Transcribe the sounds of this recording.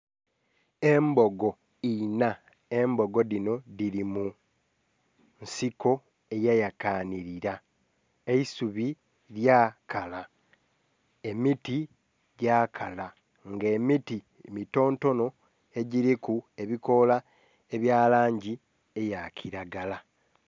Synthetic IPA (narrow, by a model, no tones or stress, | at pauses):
e̞mbo̞ɡo̞ | ina | e̞mbo̞ɡo̞dino̞diɾimu | nsiko̞ | e̞jajakaːniɾiɾa | eisuβi | ɾjaːkala | e̞miti | ɟaːkʰala | ŋɡeːmiti | mito̞ːnto̞no̞ | e̞ɟiɾikue̞βiko̞la | e̞βjaːlaːɲɟi | ejacʰiɾaɡala